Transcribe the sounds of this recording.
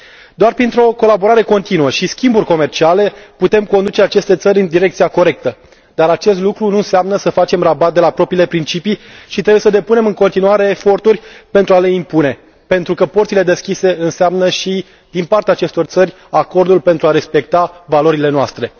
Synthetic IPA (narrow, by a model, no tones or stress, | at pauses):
d̪oarpɾint̪ɾo̞ko̞labo̞ɾaɾe̞ko̞nt̪inuəʃiskʲimburʲko̞me̞rt͡ʃiale̞put̪e̞mko̞nd̪ut͡ʃe̞at͡ʃe̞st̪e̞t̪səɾʲɨnd̪iɾe̞k̚t̪sijako̞ɾe̞k̚t̪ə | d̪̥aɾat͡ʃe̞st̪lukɾunuɨnseamnəsəfat͡ʃe̞mrabat̪̚d̪e̞lapɾo̞pɾiːle̞pɾint͡ʃipiʃit̪ɾebuje̞səd̪e̞pune̞mɨŋko̞nt̪inuaɾe̞ːfo̞rt̪urʲpe̞nt̪ɾuale̞impune̞ | pe̞nt̪ɾukəport̪sile̞d̪e̞skʲise̞ɨnseamnəʃi | d̪inpart̪eaːt͡ʃe̞st̪o̞rt̪sərʲ | ako̞rd̪ulpe̞nt̪ɾuaɾe̞spe̞k̚t̪avalo̞ɾile̞noast̪ɾe̞